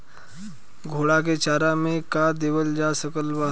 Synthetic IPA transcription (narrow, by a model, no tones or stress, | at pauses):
ɡʱoːɽak̬et͡ʃaːɾamẽkad̪eːʋəld͡ʒasəkəlba